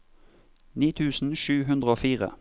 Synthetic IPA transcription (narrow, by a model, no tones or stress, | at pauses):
niːt̪ʰʉːsn̩ʃʉːɦʉnd̪ʁəoːfiːʁə̰